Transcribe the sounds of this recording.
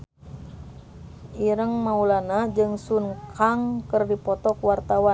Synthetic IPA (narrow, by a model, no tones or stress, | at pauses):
ʔiɾəŋmaulanad͡ʒɨŋsunkʰaŋkərdipɔt̪ɔkwart̪awa